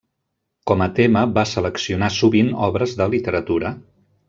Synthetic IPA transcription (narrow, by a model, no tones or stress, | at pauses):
kɔmət̪eməβasələksiunasuβinɔβɾəzðəlit̪əɾət̪uɾə